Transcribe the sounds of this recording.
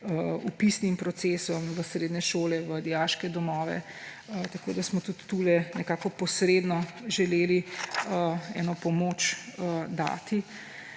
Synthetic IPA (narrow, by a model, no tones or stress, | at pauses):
upisnimpɾɔt̪sesɔmʋəsɾeːd̪nɛʃoːlɛʋəd̪ijaːʃkɛd̪ɔmɔːʋɛ̰ | t̪ako̰ːd̪asmɔt̪ut̪ːulɛnɛkakɔpɔsɾeːd̪nɔʒɛleːli | ɛnɔpɔmoːt͡ʃəd̪a̰ːt̪i